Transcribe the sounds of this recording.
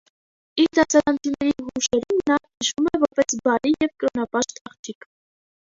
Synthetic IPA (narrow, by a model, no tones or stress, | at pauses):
iɾd̪ɑsɑɾɑnt͡sʰinɛɾiɦuʃɛɾumnɑnəʃumɛvɔɾpɛsbɑɾijɛvkəɾɔnɑpɑʃt̪ɑχt͡ʃʰik